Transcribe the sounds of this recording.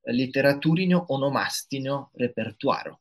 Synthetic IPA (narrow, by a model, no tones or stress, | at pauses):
lit̪eɾat̪uɾinoʔɔnɔma̰st̪inorepert̪wa̰ːɾo̰